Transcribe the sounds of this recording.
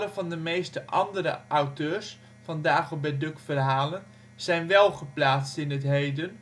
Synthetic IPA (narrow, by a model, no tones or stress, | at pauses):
ləvɑndəmejstəʔɑndəɾəʔawtøːɹs | fɑndaːχəbɛdɵkfərɦaːlən | z̥ɛjnʋɛlˠχəplaːtstɪnətɦejdən